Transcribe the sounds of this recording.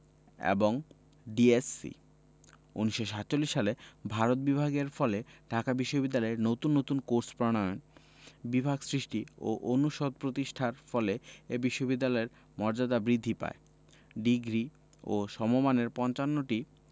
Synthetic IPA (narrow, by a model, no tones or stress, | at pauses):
ḛboŋ | ɖiesːḭ | ṵniʃːoʃat̪ːt͡ɕolːiʃːalebʱaɾot̪̚bibʱaɡeɾfɔleɖʱakabiʃːobid̪ːalɔeɾnot̪unːot̪unkoɾspɾɔɽ̃ɔon | bibʱaɡsɾiʃʈio̰ʔonuʃod̪̚pɾot̪iʃʈʰaɾfɔleebiʃːobid̪ːalɔeɾ | mɔɾd͡ʑad̪abɾid̪ʱːipa̰e | ɖiɡɾi | oʃɔmomaneɾpɔnt͡ɕanːoʈi